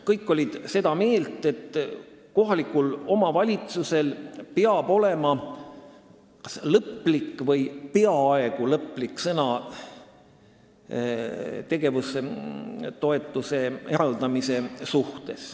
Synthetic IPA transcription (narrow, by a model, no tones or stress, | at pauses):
kɤjkːo̞lʲid̪̥se̞d̪ɑme̞ːlt̪ˑe̞t̪ | ko̞ɦɑlikːˑulo̞mɑvɑlʲit̪suse̞lpeɑb̥o̞le̞mɑ | kɑ̥slɤpːˑlikːˑvɤjpeɑɑeɡ̥ulɤpːˑlikːsɤnɑ | t̪e̞ɡ̥e̞vus | t̪o̞e̞t̪ːˑuse̞eɾɑld̪̥ɑmise̞suht̪e̞s